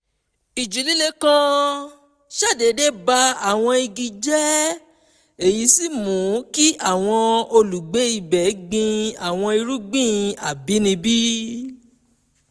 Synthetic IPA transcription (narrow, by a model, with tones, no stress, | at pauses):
i˨d͡ʒu˨li˦le˦kã˦˧ | ʃa˦˨de˨˦de˦ba˦a˦˨w̃ɔ̃˧i˧ɡi˧d͡ʒɛ˦ | e˨ji˨˧˦si˦˨mũ˨˦ki˦ʔa˦˨w̃ɔ̃˧o˧lu˨ɡ͡be˨˦i˧˨bɛ˨˦ɡ͡bĩ˧a˨w̃ɔ̃˧i˧ɾu˦ɡ͡bĩ˦˨a˨bi˨˦nĩ˧bi˦